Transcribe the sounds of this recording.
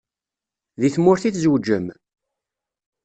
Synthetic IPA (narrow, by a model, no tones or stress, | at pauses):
ðiθmʊɾθiθzwd͡ʒːəm